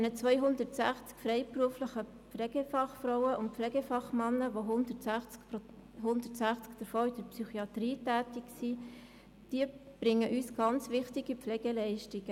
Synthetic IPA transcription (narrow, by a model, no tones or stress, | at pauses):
ɛnət͡sʋœʏɦʊndəɾtsæχt͡skfrɛɪpruəfləχəpflɛɡ̥efɑχfrɔʊəʊnt̚pflɛɡefɑχmɑnːəʋoɦʊndətsæχt͡sk | hʊnd̥ətsæχt͡skd̥əɾfoːɪd̥əɾpsyχiɑtriːtæːtiksi | d̥iəb̥ɾɪŋəʔyːsɡ̥ɑnt͡sʋɪχtiɡipflɛɡ̥elɛɪʃtɪɡ̥ə